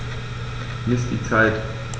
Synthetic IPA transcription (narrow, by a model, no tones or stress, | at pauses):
nɪsd̥it͡saɪt